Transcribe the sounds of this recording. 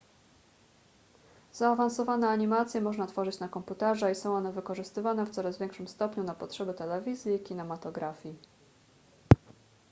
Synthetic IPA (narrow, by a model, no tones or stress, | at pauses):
zaːvansɔvanɛaɲimat̪sʲjɛmɔʐnat̪fɔʐɘt͡ɕnakɔmput̪ɛʐaisɔ̃w̃ɔnɛvɘkɔʐɘst̪ɘvanɛft̪sɔɾazvʲjɛ̃ŋkʂɘmst̪ɔpɲunapɔtʂɛbɘt̪ɛlɛvʲizʲjikʲinɛmat̪ɔɡɾafʲji